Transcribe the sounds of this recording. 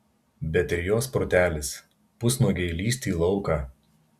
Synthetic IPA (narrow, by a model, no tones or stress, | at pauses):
bʲɛt̪ʲɪɾʲjoːspoɾt̪ʲæːlʲɪs | pʊsnoːɡʲɛɪlʲiːsʲt̪ʲiːlˠɒʊkɐ